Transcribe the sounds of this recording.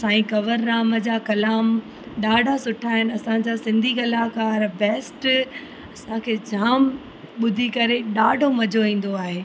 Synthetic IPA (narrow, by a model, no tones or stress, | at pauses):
sãːĩkɐʋəɾnaːməd͡ʑaːkɐlaːm | ɗaːɖʱasʊʈʰaːɦɪnɪɐsãd͡ʑasɪ̃nd̪ʱikɐlaːkaːɾbɛːsʈ | ɐsãkʰeːd͡ʑʱaːm | ɓʊd̪ʱikɐɾeɗaːɖʱomɐd͡ʑʱoʋĩːn̆d̪oaːɦeː